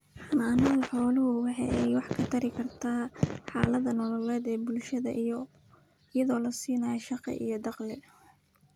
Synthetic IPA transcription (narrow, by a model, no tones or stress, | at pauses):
ħɑmaːnɐʊħɔːlʊɦʊwɑħɑjɛjwɑħkʰɐt̪ʰɐɾɪkʰɐrt̪ʰaːħɑːlɐðɐnɔlɔlɛːd̪ɛːbʊlʃɐðɐ̰ʔ | jɐðɔːlɐsiːnajɐʃɑqɛ̰ʔḭjɞd̪ɑqlɛ